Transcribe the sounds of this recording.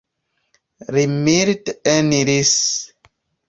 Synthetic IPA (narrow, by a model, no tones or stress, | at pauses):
ɾimiɾtɛniɾis